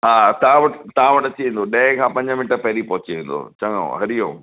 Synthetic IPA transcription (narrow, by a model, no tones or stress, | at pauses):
ɦaːt̪ɐãʋɐʈt̪ɐãʋɐʈɐt͡ɕiẽːnd̪oɗɐ̃ɦɪ̃kʰãpɐ̃ɲd͡ʑəmɪnʈəɾpɐɦɪɾipɐɦʊt͡ɕiʋẽːnd̪o̰t͡ɕɐŋõ̰ɦɐɾijõ̰ː